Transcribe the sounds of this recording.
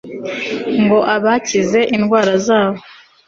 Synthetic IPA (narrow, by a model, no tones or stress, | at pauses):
ŋɡo̞ʔaβacize̞ʔinɡwaːɾazaːβo